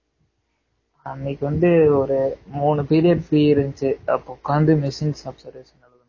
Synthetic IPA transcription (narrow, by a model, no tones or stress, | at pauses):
ɐnːikːɯʋɐnd̪ɯɔɾɯmuːnɯpiːɾɪjɐɖfɾiːɪɾɯnt͡ʃɯɐ̰pːokːaːnd̪ɯmɪsinsɐbsɐɾʋesɐnɐlɐðɯ